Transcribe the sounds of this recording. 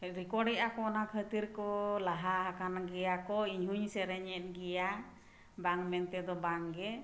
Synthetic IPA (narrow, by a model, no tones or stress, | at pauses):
ɾikɔɖɛʔakɔnakʰət̪iɾkɔlaɦaɦakanɡɛjakɔiɲɦuɲsɛɾɛɲɛt̪̚ˀɡɛja | baŋmɛnt̪ɛd̪ɔbaŋɡɛ